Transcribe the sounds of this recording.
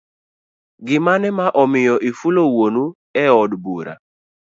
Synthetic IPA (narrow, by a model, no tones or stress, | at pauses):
ɡɪmanɛmaʔɔmɪjɔʔifulowonu | ɛɔdbuɾa̰